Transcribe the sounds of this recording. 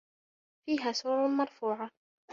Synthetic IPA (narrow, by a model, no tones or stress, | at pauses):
fiːɦaːsuːɾˤmɑɾˤfuːʕa